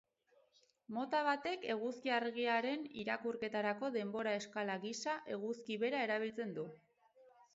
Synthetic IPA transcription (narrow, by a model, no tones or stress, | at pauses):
mo̞t̪aβ̞at̪e̞ke̞ɣ̞uskiaɾɣiaɾe̞nḭɾakuɾke̞t̪aɾako̞ðe̞mbo̞ɾae̞skalaɣisaʔe̞ɣuskiβe̞ɾae̞ɾaβ̞ilt͡se̞nd̪u